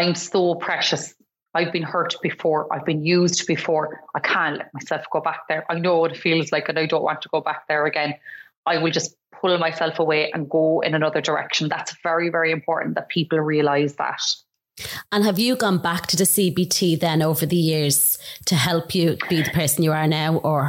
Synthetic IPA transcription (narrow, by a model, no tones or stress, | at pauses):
ãɪ̃msopʰɹ̥ɛʃəs | aɪvbĩnhɜ˞ʔb̥ɪfɔːɹa̰ɪvbĩnjʉːzdb̥ɪfɔːɹʔaɪkʰãnʔlʔɛ̰t̚maɪsɛlˠfɡ̥oːbak̚ðə˞ʔaɪnoːwʌɾɪtfiːlˠzlaɪkə̃naɪdõʊ̃nʔwɑ̰̃ntʰəɡ̥oːbak̚ðə˞əɡɛ̃n | aɪwɪlˠd͡ʒʌs | pʰʊlmaɪsɛlˠfəweːʔə̰̃nɡoːɪ̰̃nənʌðə˞də˞ɛ̰kʃə̃nðatsv̥ɛɹivɛɹiɪ̃mpʰɔːɹʔn̩ðət̚pʰiˑpəl̩ˠɹiəlaɪzða̰t | ə̃nəvjəɡɒ̃nbak̚tʰəðəsibitʰiːðə̃noʊvə˞ðəjɪɹz̥tʰəɦɛlˠpʰjəb̥iːðəpʰɜ˞sə̃n̩jəə˞naʊʔə˞